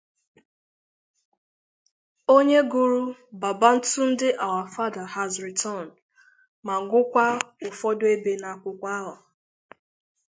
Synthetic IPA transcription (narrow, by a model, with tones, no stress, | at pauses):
o˦ɲe˦ɡu˦ɾu˦ba˨ba˦n̩˦tu˦n̩˦dɪ˦ʔa˨wa˨fa˦da˨ha˨zɾi˨tʰɔ˦˨n̩˨ | ma˨ŋ̩˨ɡʷʊ˦kʷa˦ʊ˨fɔ˦dʊ˦e˦be˨na˨kʷʊ˦kʷa˦a˦ɦa˨